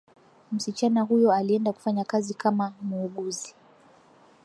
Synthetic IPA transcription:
m̩sit͡ʃanaɦujɔaliɛndaku̥faɲakazikamamuːɠuzi

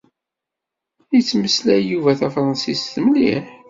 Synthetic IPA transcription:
jət͡sːməslæjuvæθæfɾˤənsisθəmlḭħ

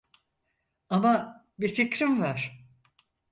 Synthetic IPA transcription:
ama | bifikɾimvaɾ̥

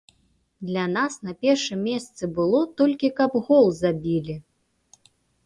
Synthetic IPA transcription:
d̪lʲanasnɐpʲɛrʂɨmʲːɛst̪sɨbɨlˠɔt̪ɔlʲkʲikɐbɣɔlˠzabʲilʲi

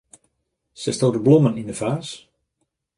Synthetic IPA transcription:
sɛstoːtəblɔmənindəfaːs

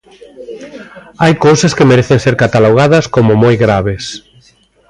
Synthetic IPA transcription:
ajkowsɐskemeɾeθenseɾkat̪aloɣ̞aðɐskomʊmojɣɾaβes

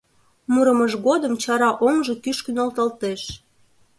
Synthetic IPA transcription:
muɾəməʃɣod̪əmt͡ɕɑɾɑʔoŋʒɤ̽kyʃkynolt̪ɑlt̪eʃ

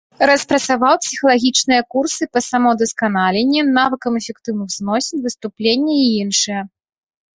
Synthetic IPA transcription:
ɾɐspɾɐt̪savawpsʲixɐlˠaɣʲit͡ʂnɨjɐkursɨpɐsamɔd̪ɐskanalʲenʲːɛnavɨkɐmɛfʲɛkt̪ɨwnɨxznɔsʲɛnʲvɨst̪uplʲenʲːɛiinʂɨjɛ

